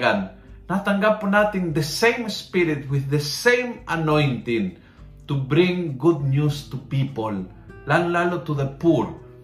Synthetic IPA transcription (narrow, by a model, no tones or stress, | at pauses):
annat̪aŋɡaponat̪ĩŋd̪esẽjmspiɾit̪̚wɪððesẽjmanõjnt̪ĩn | t̪ubɾĩŋɡud̪̚njust̪upipolː | aŋlalot̪uðepuɾ